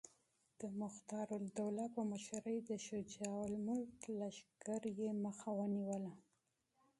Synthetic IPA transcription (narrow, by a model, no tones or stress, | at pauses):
d̪̥əmʊxt̪ɑɾʊld̪awlapəmaʃaɾəjd̪əʃʊd͡ʒɑwalmʊlklaʃɡaɾjeməxawəniwəla